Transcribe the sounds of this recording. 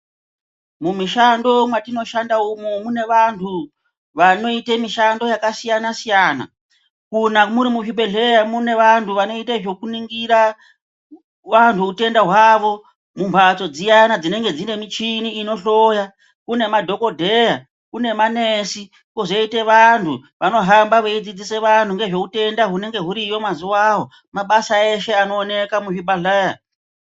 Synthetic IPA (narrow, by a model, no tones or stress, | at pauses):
mumiʃando̞mwatino̞ʃandaumomune̞ʋantʰu | ʋano̞itemiʃando̞jakasijanasijaːna̰ | kunamuɾimuʒibʱe̞ɮe̞jamune̞ʋantuʋano̞itaʐo̞kuniŋɡiɾa | ʋantʰuːte̞ndaɦwaːʋo̞ | mumbʱat͡so̞d͡zijanad͡zine̞ŋɡe̞d͡zine̞mit͡ʃiniːno̞ɬo̞ja | kune̞madʱo̞ko̞dʱe̞ja | kune̞manesi | koʐeite̞ʋantʰuʋano̞ɦambaʋeid͡zid͡zise̞ʋantʰuŋɡe̞ʐo̞kute̞ndaɦune̞ŋɡe̞ɦuɾijo̞mazuwaɦo̞ | maɓasae̞ʃe̞ano̞ːne̞kamuʐibʱaɮeːja